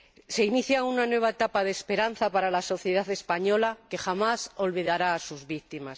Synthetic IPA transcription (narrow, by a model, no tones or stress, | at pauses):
se̞iniθjaunanwe̞β̞aet̪apaðespe̞ɾan̟θapaɾalaso̞θje̞ð̞aθe̞spaɲo̞lake̞xamaso̞lβiðaɾaːsuzβikt̪imas